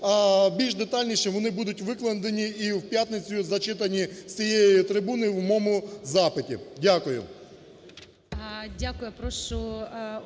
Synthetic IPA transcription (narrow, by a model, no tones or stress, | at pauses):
ɐbʲilʲʒd̪et̪ɑlʲnʲiʃɛʋɔnɪbud̪ʊtʲʋɪklˠɐnd̪enʲiiwpʲjat̪nɪt͡sʲʊzɐt͡ʃɪt̪ɐnʲisʲijejit̪ɾɪbunoiwmɔmʊzɑpɪtʲḭdʲakʊjʊ̰ | dʲakʊjʊpɾɔʃʊ